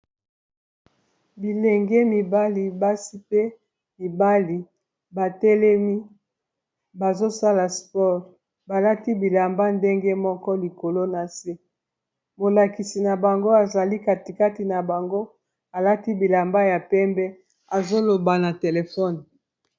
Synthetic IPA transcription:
bi˨lɛ˨ŋɡe˦mi˨ba˦li˨ba˦si˦pe˦ | mi˨ba˦li˨ | ba˨tɛ˦lɛ˦mi˦ | ba˨zo˦sa˦la˨spɔ˦ʁ | ba˨la˦ti˦bi˨la˨mba˦nde˦ŋɡe˦mɔ˦kɔ˦li˨ko˨lo˦na˨se˦ | bo˨la˨ki˨si˨na˨ba˨ŋɡo˦a˨za˨li˦ka˨ti˨ka˦ti˨na˨ba˨ŋɡo˦ | a˨la˦ti˦bi˨la˨mba˦ja˨pɛ˦mbɛ˦ | a˨zo˦lo˨ba˨na˨te˨le˨fɔ˦n

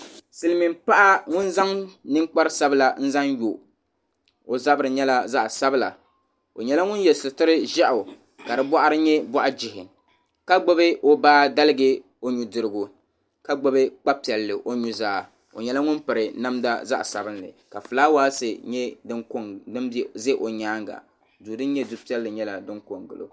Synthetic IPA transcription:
sɨ˨lɨ˨mi˨mpa˦ʔa˦ŋʊ˦nza˦ŋnɨ˦ŋk͡pa˦ɾɨ˦sa˦bɨ˦la˨n̩˦za˦ŋjo˨ | o˨za˦bɨ˦ɾɨ˨ɲɛ˦la˦za˦ʔsa˦bɨ˦la̰˨ | o˨ɲɛ˦la˦ŋʊ˦n˦jɛ˨sʊ˨tɨ˦ɾɨ˦ʒɛ˦ʔʊ˨ | ka˨dɨ˨bɔ˦ʔa˦ɾɨ˦ɲɛ˦bɔ˦ʔa˦d͡ʒɪ˨ɦɪ˨ | ka˦ɡ͡bo˦bɨ˦ʔo˦baː˦da˦lɨ˦ɡɨ˦ | o˦ɲu˨dɨ˨ɾɨ˦ɡʊ˨ | ka˦ɡ͡bo˦bɨ˦k͡pa˦pi˨ɛ˨lːɨ˨ʔo˦ɲu˦zaː˦˨ | o̰˨ɲɛ˨la˦ŋʊ˦npɨ˨ɾɨ˨na˦mda̰˦za̰˦ʔsa˨bɨ˦nlɨ̰˨ | ka˨fɨ˨laː˦waː˦sɨ˨ɲɛ˦dɨ˦ŋko˦ŋdɨ˦m˦zɛ˦ʔo˨ɲaː˦ŋɡa̰˨ | duː˨dɨ˦nɲɛ˦du˦pi˦ɛ˦lːɨ˨ɲɛ˦la˨dɨ˦ŋko˨ŋɡɨ˨lo̰˨

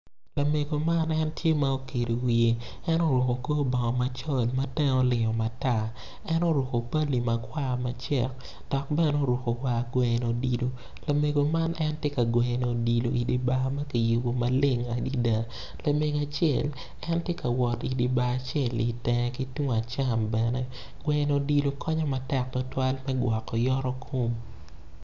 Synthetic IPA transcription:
la˨me˨ɡo˨ma˦nɛ˦ntje˦ma˦o˦ke˨do˨wi˨e˨ | ɛ˦no˦ɾo˨ko˨koː˦bɔ˨ŋɔ˨ma˨t͡ʃɔ˦lmɐ˦tɛ˦ŋo˦lɪ˨ŋɔ˨ma˨ta˦˨ | ɛ˦no˦ɾwo˨ko˨pa˦li˨mɐ˨kwa˦mɐ˦t͡ʃɛ˦˨k̚ | d̥ɔ˨k̚bɛ˦n˦o˦˨ɾwo˨ko˨wa˨ɡwɛ˨no˨di˨lo˨ | la˨me˨ɡo˨ma˦nʔɛ˦ntje˦ka˨ɡwɛ˨no˨di˨lo˨ʔi˨di˨ba˦ma˦ki˨ju˨bo˨ma˨lɪ˦ŋa˨di˦da˨ | la˨me˨ɡa˨t͡ʃjɛ˨l | ɛ˦ntje˦ka˨wɔ˨ti˨di˨ba˨t͡ʃjɛ˦˨li˨tɛ˨ŋ˨ki˦tu˦˨a˨t͡ʃa˦˨mbɛ˨nɛ˦ | ɡ̥wɛ˨no˨di˨lo˨kʰɔ˦ɲɔ˦ma˨tɛ˦˨k̚tɔ˨˦twa˦lmɛ˦ɡwa˨kːɔ˨jɔ˦ɾɔ˦kʰo˦m

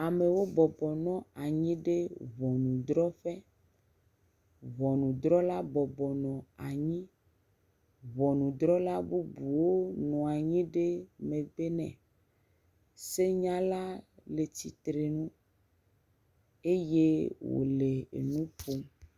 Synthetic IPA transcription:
a˨me˨wo˦bɔ˨bɔ˨nɔ̃˦a˨ɲĩ˦ɖe˦βɔ˨nũ˨d̪ɾɔ˦ɸe˦ | βɔ˨nũ˨d̪ɾɔ˦la˦bɔ˨bɔ˨nɔ̃˨a˨ɲĩ˦ | βɔ˨nũ˨d̪ɾɔ˦la˦bu˦bu˨wo˦nɔ̃˨a˨ɲĩ˦ɖe˦mẽ˨be˦nɛ̰̃˨ | se˦ɲã˦la˦le˨ti˨t̪ɾe˨nũ˦ | e˦je˦wo̰˨le˨ḛ˨nũ˦po˦

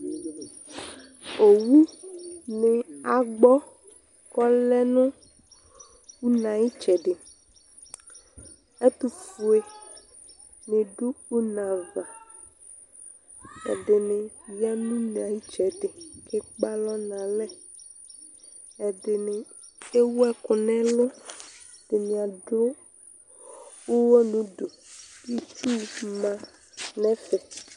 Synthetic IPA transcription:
o˨wu˦ne˨a˨ɡ͡bɔ˦ | kɔ˦lɛ˦nũ˦ | wu˦nã˨ji˦t͡ʃɛ˨ɖe˨ | e˦t̪u˨fu˨e˨ | nẽ˨ɖu˦u˦nã˨va˨ | ḛ˨de˨nẽ˨i˦a˦nũ˦n˨ã˨ji˦t͡ʃɛ˨t̪e˨ke˦k͡pa˦lɔ˦nã˨lɛ̃˦ | ɛ˨de˨ne˨ | e˦wu˦ɛ˦ko˨nɛ̃˦lɔ˦d̪̥e˨mĩ˨a˨ɖo˦ | wu˦wɔ˦nũ˨˦ɖo˨ | i˦t͡ʃu˦mã˦ | nɛ̃˦fɛ˨

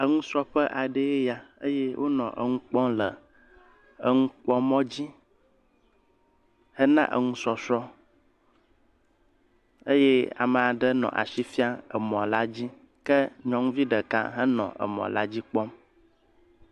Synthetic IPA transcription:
ə˨ŋũ˦sɾɔ˦ɸə˦ʔa˨ɖə˦e˦ja˨ə̰˦je˦wʔo˦nɔ̰̃˨ʔə˨ŋũ˦k͡pɔ̃˦lə˨ | ə˦ŋũ˦k͡pɔ˦mɔ̃˦d͡ʑi˦ | hə˦nã̰˦ʔə̰˨ŋũ˦sɔ˨sɾɔ˦ | ə˦je˦a̰˨mə˨a˨ɖə˦nɔ̰̃˨ʔa̰˨ʃi˦fi˦a˦ə˨mɔ̃˨la˦d͡ʑi˦ | kə˦ɲɔ̃˨˦ŋũ˦vi˦ɖə˨kã̰˦ɦə˦nɔ̰̃˨ʔə̰˨mɔ̰̃˨la˦d͡ʑi˦k͡pɔ˦m

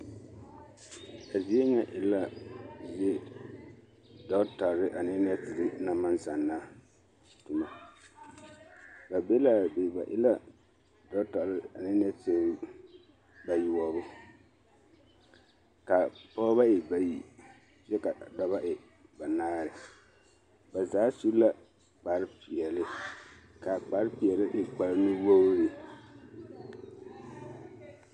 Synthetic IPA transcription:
a˨zi˦e˦ɲɛ˦ʔɪ˨la˦zi˦e˦ | dɔ˦ta˨ɾɾɪ˦ʔa˨nɪ˦n˦ɛ˦tɪ˨lɪ˦na˦ma˦nsa˨nːa˦ | tʊ˨ma˨ | ba˨be˦la˦˨be˨ba̰˨ʔɪ̰˦la˦ | dɔ˦ta˨ɾɪ˦a˨nɪ˦n˦ɛ˦tɪ˨˦ | ba˨ji˨wɔ˨bʊ˦ | ka˨pɔː˦ba˦ʔɪ˨ba˨ji˨ | t͡ʃɛ˦ka˨da˦ba˦ʔɪ˨ | ba˨naː˦ɾɪ˨ | ba˨zaː˨˦su˦la˦ | k͡pa˨ɾɪ˦pɪ˨ɛ˨lɪ˦ | ka˨k͡pa˨ɾɪ˦pɪ˨ɛ˨lɪ˦ʔɪ˨k͡pa˨ɾɪ˦mɪ˦wo˦ɾɪ˨

